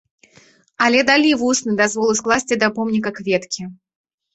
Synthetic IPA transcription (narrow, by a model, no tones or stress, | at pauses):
ɐlʲɛd̪alʲivusnɨd̪azvɔlˠɨsklˠasʲt͡sʲid̪ɐpɔmnʲikɐkvʲet̪kʲi